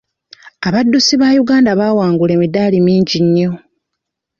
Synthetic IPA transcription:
aβadːusiβaːjuɡaːndaβaːwaːŋɡulemidaːlimiːɲɟiɲːo̞

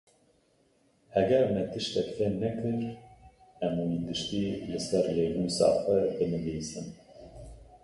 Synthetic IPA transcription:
hɛɡɛɾmɛt̪ɨʃt̪ɛkfɛnɛkɨɾ | ɛmuid̪ɨʃt̪iːlɨsɛɾleːnuːsɑ̰ːfɐɾbɨnɨbeːsɨm

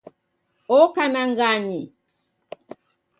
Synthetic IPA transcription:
ɔkanaŋɡaɲi

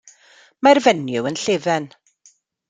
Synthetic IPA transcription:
marvɛnjʊwənɬeːvɛn

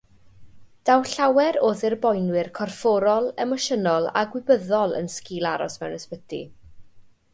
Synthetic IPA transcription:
d̥awɬawɛɾoːðɪrbɔjnwɪrkʰɔrfɔɾɔlˠɛmɔʃənɔlˠa̰ɡwɪbəðɔlˠə̰nskiːlˠaɾɔ̰smɛwnəspədḭ

